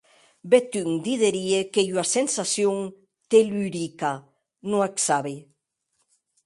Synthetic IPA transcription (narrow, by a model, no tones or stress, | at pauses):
bet̪yŋd̪iðeɾiekejwasensasjoŋ | t̪elyɾika | nũaksaβe